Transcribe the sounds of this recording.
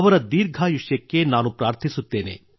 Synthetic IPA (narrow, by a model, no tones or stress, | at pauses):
ʋɐɾɐd̪iːɾɡʱajuʃjekːenaːnupɾaːɾt̪ʰisut̪ːeːnḛː